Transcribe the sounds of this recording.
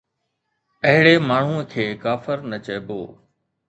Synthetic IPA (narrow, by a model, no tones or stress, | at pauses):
ɐɦɪɽeːmaːɳ̤ũːəkʰeːkaːfəɾnət͡ɕəːbo̰ː